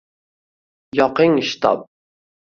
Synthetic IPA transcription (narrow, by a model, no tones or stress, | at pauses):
jɑqɨŋiʃt̪ʰɑ̰p̚